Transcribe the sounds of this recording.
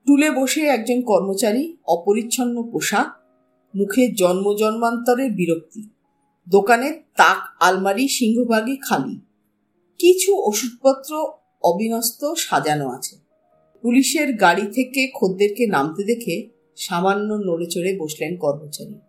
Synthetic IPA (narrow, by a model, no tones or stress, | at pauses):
ʈuleboʃeɛk̚d͡ʑonkɔɾmot͡ɕaɾiɔpoɾitːɕʰonːopoʃa | mukʰed͡ʑɔnmod͡ʑɔnmant̪ɔɾeɾbiɾok̚t̪i | d̪okanet̪akalmaɾiʃiŋɡʱobʱaɡikʰalḭ | kit͡ɕʰuoʃud̪̚pɔt̪ːɾo | ɔbʱinɔst̪oʃad͡ʑanoa̰t͡ɕʰe̥ | puliʃeɾɡaɽit̪ʰekekʰod̪ːeɾkenamt̪ed̪ekʰe | ʃamanːonolet͡ɕoɽeboʃlenkɔɾmot͡ɕa̰ɾḭ